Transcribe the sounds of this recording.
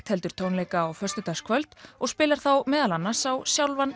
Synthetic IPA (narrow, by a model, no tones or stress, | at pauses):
t̪hɛlt̪ʏɾ̥t̪ʰoːwnleːjkaːwfœr̥st̪ʏt̪askʰvœlt̪ɔɣspɪːlaɾ̥θawmɛːðalanːḁsawsjawlvan